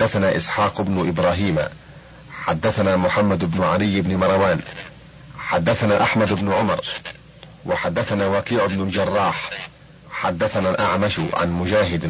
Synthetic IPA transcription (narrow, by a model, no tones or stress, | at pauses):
d̪ːaθanaːʔɪsħaːqɪbnʊʔɪbɾˤaːɦiːm̰ | ħad̪ːaθanaːmʊħamːad̪ɪbnʊʕalɪjːɪbnɪmɑɾˤɑwaːn | ħad̪ːaθanaːʔaħmad̪ɪbnʊʕʊmɑɾˤ | wɪħad̪ːaθanaːwaqiːʕʊbnʊld͡ʒɑrˤːɑːħ | ħad̪ːaθanalʔa̰ʕmaʃʕa̰nmʊd͡ʒaːɦɪd̪